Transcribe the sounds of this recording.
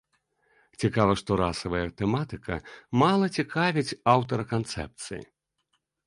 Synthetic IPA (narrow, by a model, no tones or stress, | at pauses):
t͡sʲikavɐʂt̪ɔɾasɐvɐjɐt̪ɛmat̪ɨkʰɐ̰malˠɐt͡sʲikavʲit͡sʲawt̪ɐɾɐkant̪sɛ̰p̚t̪sɨ̰jḭ